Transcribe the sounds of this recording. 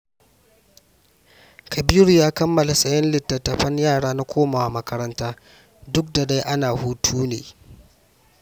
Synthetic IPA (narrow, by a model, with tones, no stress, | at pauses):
kʰɐ˨biː˦ɾu˨jaː˦kɐ˦mːɐ˨la˨sʼɐ˦jɐ˦nlɪ˨tːɐ˨tːɐ˨ɸɐ˦ɲjaː˦˨ɽaː˦na˦kʷʰoː˦maː˨wa˨mɐ˦kɐ˦ɾɐ˦ntaː˦ | dʊ˦k̚da˨da˦jʔa˦naː˨huː˦tʰuː˦neː˨